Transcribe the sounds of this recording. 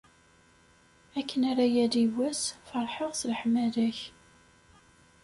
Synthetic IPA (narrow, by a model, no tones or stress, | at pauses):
ækːənæɾajæðiwæsfɑɾˤħəʁslħmæðæç